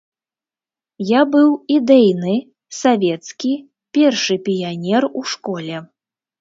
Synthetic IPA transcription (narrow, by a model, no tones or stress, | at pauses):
jabɨwid̪ɛjnɨ | savʲɛt̪skʲi | pʲɛrʂɨpʲijanʲɛruʂkɔlʲɛ